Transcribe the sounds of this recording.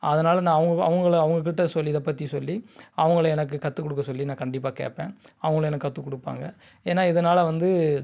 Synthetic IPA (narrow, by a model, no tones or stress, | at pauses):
ɐðɐnaːlɐnãːɐʋɐŋɡɐɐ̰ʋɐŋɡɐɭɐʋɐŋɡɐk̬ɪʈːɐsɔlːiɪðɐpːɐt̪ːisɔlːiɐʋɐŋɡɐɭɛnɐk̬ːɯkɐt̪ːɯkːɔɽɯk̬ːɐsɔlːinãːkɐɳɖɪp̬ːaːkḛːʈpːḛ̃ːɐʋɐŋɡɐɭɛnɐkːɯkɐt̪ːɯkɔɽɯpːa̰ːŋɡɐ | eːnːaːɪðɐnaːlɐʋɐnd̪ɯ